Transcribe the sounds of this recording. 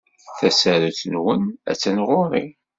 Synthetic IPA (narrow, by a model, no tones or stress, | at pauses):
θæsæɾuθənwənæ̰t͡sːænʁʊɾˤi